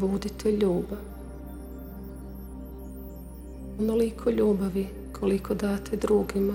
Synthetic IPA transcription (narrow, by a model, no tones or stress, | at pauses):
ʋuːd̪it̪ʰɛʎuːba | onolikʰoʎuːbaʋi | kʰolikʰod̪aːt̪ʰed̪ɾuːɡima